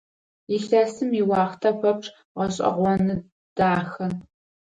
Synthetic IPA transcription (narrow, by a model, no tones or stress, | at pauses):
iɬɐsɨmiwɑːχtʰɐpʷɐpʂʼ | ʁɐɕʼɐ̰ʁʷɔnɨ | d̥aːxɐ